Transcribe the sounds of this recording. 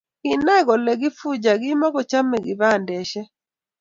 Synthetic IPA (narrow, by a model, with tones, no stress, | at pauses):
ɪ˨nɛ˦ɡɔ˨lɛ˨ɡɪ˦fu˦d͡ʒa˨ɡɪ˦ma˦ɡɔ˨t͡ʃa˦mɛ˨ɡɪ˨βa˦˨ndɛ˨ʃɛ˦